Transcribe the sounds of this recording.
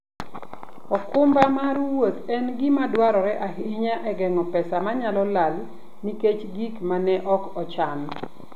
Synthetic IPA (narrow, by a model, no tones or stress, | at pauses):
ɔkʊmbamaɾwot̪ɛnɡɪmadwaɾɔɾɛʔaɦɪɲaʔɛɡɛŋɔpɛsamaɲalɔlal | niket͡ʃɡikmanɛʔɔkɔt͡ʃan